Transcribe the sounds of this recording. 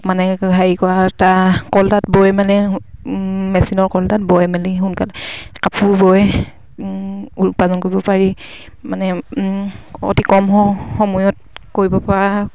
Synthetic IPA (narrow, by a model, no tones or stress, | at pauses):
manɛɡʱajikɔatakɔltat̚bɔjmalɛ | mɛsinɔɹkɔltat̚bɔjmaliɦunkalɛkapʰuɹbɔj | upazɔnkoɹibɔpaɹi | manɛ | ɔ̰tikɔmxɔxɔmɔjɔt̚ | koɹibɔpaɹa